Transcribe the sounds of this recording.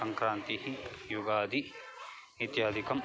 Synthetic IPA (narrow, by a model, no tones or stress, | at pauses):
ɐŋkɾaːnt̪ihijuɡaːd̪ʱi | it̪jaːd̪ʱikɐm